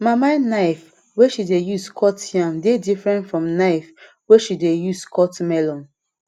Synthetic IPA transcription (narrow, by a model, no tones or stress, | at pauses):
mamanaɪf | weʃidejuskʰɔtjãmdedifɹɛ̃ntfɹɔ̃mnaɪf | weʃidejuskʰɔtmɛlɔ̃n